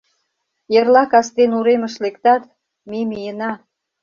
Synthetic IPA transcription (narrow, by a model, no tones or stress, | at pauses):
jərlɑkɑst̪enuɾeməʃlekt̪ɑt̪ | memijənɑ